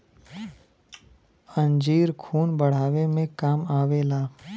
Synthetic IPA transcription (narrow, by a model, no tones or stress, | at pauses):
ə̃ɲd͡ʒiːɾkʰuːnbəɽ̤aːʋemẽkaːmaːʋelaː